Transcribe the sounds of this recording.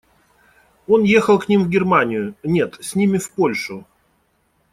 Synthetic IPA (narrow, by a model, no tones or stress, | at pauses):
o̞nje̞xəlˠknʲimvɡʲɪrmanʲɪjʊnʲe̞t̪sʲnʲimʲɪfpo̞lʲʂʊ